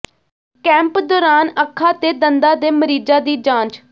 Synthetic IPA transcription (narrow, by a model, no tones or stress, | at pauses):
kɛ̃ːmpd̪ɔːɾaːnəkʰːaːt̪eːd̪ənd̪aːd̪eːməɾiːd͡ʒaːd̪iːd͡ʒãːnt͡ʃ